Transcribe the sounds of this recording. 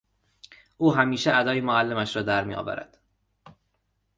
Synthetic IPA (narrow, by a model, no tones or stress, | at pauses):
ʔuːɦæmiːʃeæd̪ɒːjemoælːemæʃɾɒːd̪æɾmḭjɒ̰ːvæ̰ɾæ̰d̪̥